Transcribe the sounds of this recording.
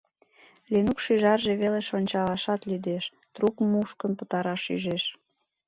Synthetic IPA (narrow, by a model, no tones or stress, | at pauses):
lenukʃyʒɑrʒe̽βeleʃonʲt͡ɕɑlɑʃɑt̪lyd̪eʃ | t̪rukmuʃkənpə̥̆t̪ɑɾɑʃyʒeʃ